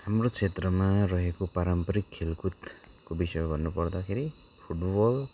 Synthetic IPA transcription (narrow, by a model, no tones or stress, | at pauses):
hamɾokt͡ʃʰet̪ɾʌmaɾʌɦekopaɾampʌɾikʰːelkut̪ | kobisɔjɔbʱʌnːupʌɾd̪akʰeɾi | pʰuʈbɔl